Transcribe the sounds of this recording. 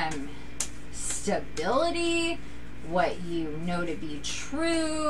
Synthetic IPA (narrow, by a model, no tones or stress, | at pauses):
m | stɨbɪlˠəɾi | wʌt͡ʃ | ɨ | noʊɾɨbitʰɹ̥ʉ